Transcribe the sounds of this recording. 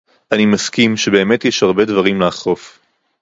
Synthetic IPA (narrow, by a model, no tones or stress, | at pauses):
ʔanimaskimʃe̞be̞ːme̞tjeʃhaʁbe̞dvaʁimleaχʁo̞f